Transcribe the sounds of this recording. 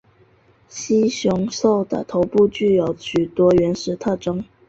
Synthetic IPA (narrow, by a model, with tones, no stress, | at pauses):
ɕi˥ɕjʊ˧˥ŋʂo˥˩ʊd̪ə̰˨t̪ʰo˧˥ʊpu˥˧t͡ɕy˥˩jo˧˥ʊɕʰy˨˩t̪wɔ˥ɥɛ˧˥nʂɻ̩˧˥t̪ʰɤ˥˩ʈ͡ʂɤ˥ŋ